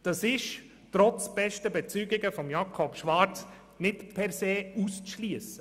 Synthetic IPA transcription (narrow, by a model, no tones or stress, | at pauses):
d̥ɑsɪʃ | tɾɔt͡sb̥ɛʃtəbɛt͡syɡɪɡəfɔmjɑkʰɔpʃʋɑɾt͡s | nɪtpʰɛɾseːust͡sʃliəsə